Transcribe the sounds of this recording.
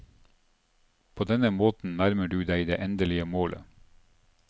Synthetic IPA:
pʰoːd̪ɛnəmoːt̪n̩næɾməɖʉːd̪æɪd̪ḛːʔɛnd̪əlɪəmoːlʔə̰

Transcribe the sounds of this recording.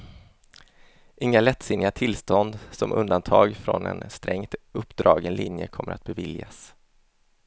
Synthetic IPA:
ʔɪŋːalɛt̪ːsɪnːɪat̪ʰɪlst̪ɔnd̪sɔmʔɵnd̪ant̪ʰɑːɡfɾɔnɛ̰nst̪ɾɛŋt̪ɵpːd̪ɾɑːɡɛnlɪnjə̰kʰɔmːəɾat̪̚bɛvɪljas

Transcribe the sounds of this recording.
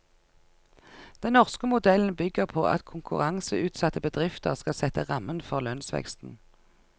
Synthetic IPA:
d̪̥ɛnnɔʁskəmʊd̪ɛln̩bʏɡəʁpʰo̰ːʔɑ̰t̪kʰʊŋkʉʁɑŋsəʉːt̪sɑt̪əbəd̪ʁɪft̪əʁskɑsɛt̪əʁɑmənfɔʁlœnsʋɛ̰kst̪n̩

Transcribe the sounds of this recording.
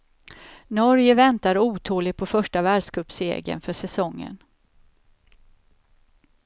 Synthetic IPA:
nɔɾjəvɛnt̪aɾuːt̪ʰoːlɪpʰɔfœʂʈavæːɖʂkʰɵpsḛːɡə̰nfœʂɛsɔŋːə̰n

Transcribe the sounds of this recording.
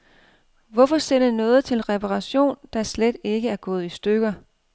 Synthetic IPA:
ʋɒfɒ̽sennɔ̽ːð̞̩ˠt͡sʰe̝lʁɛpʰɑʁɑ̈ɕo̝̰ːnd̥ɑ̈sled̥e̝ɡ̥əæɐɡ̥ɔ̽ːð̞̩ˠisd̥øɡ̥ɐ

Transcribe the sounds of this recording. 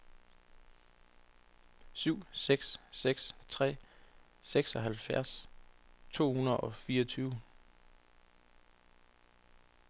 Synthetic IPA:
syʊ̰seɡ̥sseɡ̥st͡sʰʁɛ̰ː | seɡ̥sɒ̽ɦælfjæɐ̰s | t͡sʰo̝̰ːhunəð̩ˠɒ̽fiːɐʌɒt͡sʰyːʊ

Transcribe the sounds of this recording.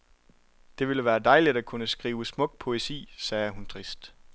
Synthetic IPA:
d̥e̝ʋe̝ləʋæːɐd̥ɑ̈ɪlidækʰunəsɡ̥ʁiːʊsmɔ̽ɡ̥̚pʰo̝esḭːsɛːhunt͡sʰʁisd̥

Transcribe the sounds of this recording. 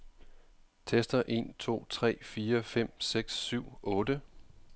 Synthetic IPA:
t͡sʰesd̥ɐʔe̝̰nt͡sʰo̝̰ːt͡sʰʁɛ̰ːfiːɐfem̰seɡ̥sːyʊ̰ɔ̽ːd̥ə

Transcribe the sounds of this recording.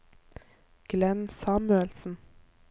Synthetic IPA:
ɡ̥lɛnsɑːmʉɛlsn̩

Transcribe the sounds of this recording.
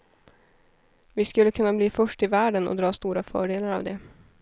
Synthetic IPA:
vɪskɵlːəkʰɵnːabliːfœʂʈɪvæːɖənɔ̰d̪ɾɑːst̪uːɾafœ̰ːɖeːlaɾɑ̰vd̪ɛ

